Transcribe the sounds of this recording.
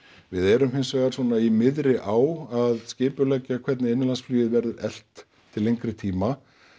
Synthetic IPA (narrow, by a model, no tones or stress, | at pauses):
vɪðɛɾʏmhɪnsvɛːɣaɾ̥svɔːnaimɪðɾɪʔaːwaðscɪːpʏlɛcːakʰv̥ɛt̪nɪɪnːɪlansflyːɪðvɛɾðɪɾɛl̥t̪ʰː | ɪlːeŋkɾɪt̪ʰiːma